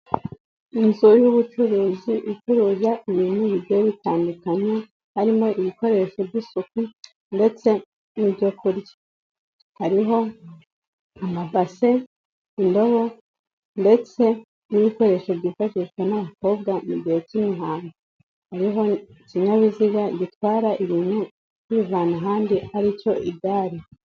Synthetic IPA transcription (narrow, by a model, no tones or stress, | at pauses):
inzujuβut͡ʃuɾuːziʔit͡ʃuɾuzaʔiβiːnuβiddejoβitaːndukaɲe | haɾimo̞ʔiβiko̞ɾe̞ʃo̞bɟisuku | nde̞t͡se̞ | nibɟo̞kʰuɾɟa | haɾiɦo̞ | amavase | indo̞βo̞ | nde̞t͡se̞ | niβiko̞ɾe̞ːʃobɟifaʃikwenaβako̞ːb̚ɡamuɟihe̞cimiɦaːŋɡo | haɾiɦo̞ | ciɲaβiziɡaɟitwaːɾaʔiβiːnhu | kuβivaːnaɦaːndihaɾico̞ʔiɡaːɾi